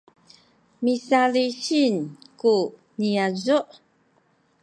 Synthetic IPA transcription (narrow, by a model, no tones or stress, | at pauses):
misaliɕinku | niazuʔ